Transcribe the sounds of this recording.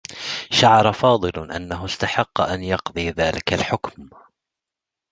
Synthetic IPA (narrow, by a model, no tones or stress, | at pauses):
ʃaʕɑɾˤɑfɑːd̪ˤɨlʔa̰nːaɦʊst̪aħɑqːɑʔanjɑqd̪ˤɨːðaːlɪkalħʊkm